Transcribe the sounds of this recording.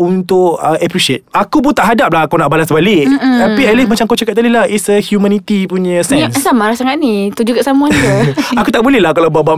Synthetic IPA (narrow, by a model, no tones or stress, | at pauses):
unt̪ʊkəʔapɾiʃiet̪̚akup̬ʊnt̪aʔɦadap̚laɦakanaʔbalasəbalɪkt̪apialasmat͡ʃaŋakawt͡ʃakat̪̚t̪ːadilahitsəhjumãnit̪ipuɲãsɛnssamaɾasaŋat̪̚nĩt̪ud͡ʒukaʔsamũaəakut̪aʔbulɛhlahkalawbaba